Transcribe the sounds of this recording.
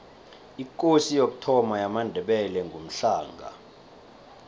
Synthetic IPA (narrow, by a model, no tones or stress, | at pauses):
ik̬ʼosijok̬ʼu̥tʰɔmajamandʱɛɓɛlɛŋɡʱom̩ɬaːŋɡʱa̰